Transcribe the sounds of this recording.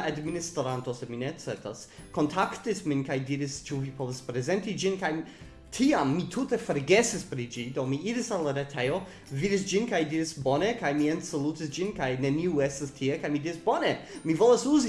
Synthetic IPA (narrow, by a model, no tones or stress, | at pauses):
administɾantoseminet͡setas | kontʰaktisminkajdiɾist͡ʃuvipovaspɾezentid͡ʒinkaj | tʰiamːitʰutefoɾɡesispɾid͡ʒidomiiɾisalaɾetʰejo | vidis̬d͡ʒinkajdiɾisbonekajmiensolutis̬d͡ʒinkajneniuestastʰiekajmidiɾisbonemivolasuzi